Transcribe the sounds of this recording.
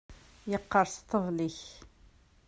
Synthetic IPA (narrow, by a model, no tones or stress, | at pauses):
jəqːɑɾˤst̪ˤːəvliç